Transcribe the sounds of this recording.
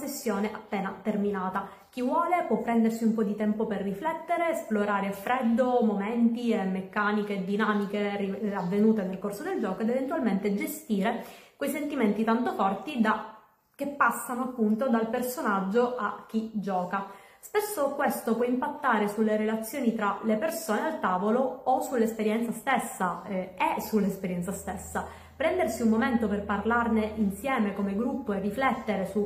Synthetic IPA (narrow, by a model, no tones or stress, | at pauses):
sesːjoːneʔapːeːnat̪erminaːt̪a | k̟ivwɔːlepwɔpːɾɛnd̪ersiumpɔd̪it̪ɛmpoperːiflɛt̪ːeɾesploɾaːɾeafɾɛd̪ːomoment̪imekːaːniked̪inamikeriavːenuːt̪enelkorsod̪eld͡ʒɔːkoed̪event̪ualment̪ed͡ʒest̪iːɾe | kwejsent̪iment̪it̪ant̪ofɔrt̪id̪a | k̟ːepːasːanoapːunt̪od̪alpersonad͡ʒːoʔak̟ːid͡ʒɔːka | spesːokwest̪opwɔimpat̪ːaːɾesulːeɾelat̪sːjoːnit̪ɾalepersoːnealt̪aːvoloːsulːespeɾjɛnt̪sast̪esːaesulːespeɾjɛnsast̪esːa | pɾɛnd̪ersiumːoment̪operparlarneʔinsjɛːmekomeɡɾupːoerːiflɛt̪ːeɾesu